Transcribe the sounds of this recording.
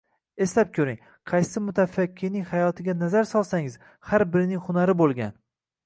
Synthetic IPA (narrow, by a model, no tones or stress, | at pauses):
e̞slap̚kʲʰɵɾɪŋ | qʰɑjsɪmʊt̪ʰafakʲʰːɪɾnɪŋʲhajɒt̪ʰɪɡʲanazaɾsɒlˠsaŋɪz̥ | haɾbɪɾɪnɪŋhʊnaɾɪbolˠɡʲan